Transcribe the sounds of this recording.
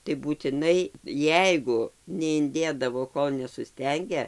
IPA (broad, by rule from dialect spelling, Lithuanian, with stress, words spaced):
tɐɪ buːtʲɪˈnɐɪ ˈjɛɪɡʊ nʲɛɪnʲˈdʲeːdɐʋoː ˈkoːlˠ nʲɛsʊˈsʲtʲɛŋʲɡʲɛ